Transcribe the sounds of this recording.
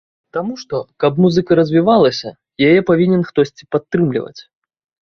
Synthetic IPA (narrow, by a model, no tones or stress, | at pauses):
t̪amuʂt̪ɔkɐbmuzɨkɐɾɐzʲvʲivalˠɐsʲɐ | jajɛpavʲinʲɛnxt̪ɔsʲt͡sʲi̥pat̪ːɾɨmlʲḭvɐ̰t͡sʲ